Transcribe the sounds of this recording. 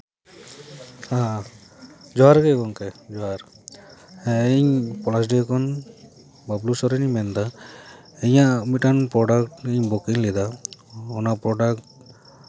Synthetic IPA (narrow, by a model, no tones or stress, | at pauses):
ha | d͡ʒɔaɾkɛkɔnkɛd͡ʒɔɦaɾ | iɲpɔlas̬ɖekʰɔn | bablusɔɾɛnimɛnd̪a | ɛɲamiʈanpɾɔɖakʈiɲbɔkiŋlɛd̪aɔnapɾɔɖak̚ʈ